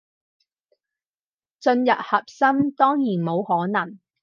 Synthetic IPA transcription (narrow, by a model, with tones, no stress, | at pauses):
t͡ʃɵ˧njɐ˨p̚hɐ˨p̚sɐ˥mt̪ɔː˥ŋjiː˨˩nmo˨˧whɔː˨˥nɐ˨˩ŋ